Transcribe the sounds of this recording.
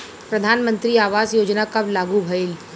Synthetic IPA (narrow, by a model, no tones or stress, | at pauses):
pɾɐd̪ʱaːnmə̃nt̪ɾiaːʋaːzjoːd͡ʒnakɐblaːɡubʱɐɪl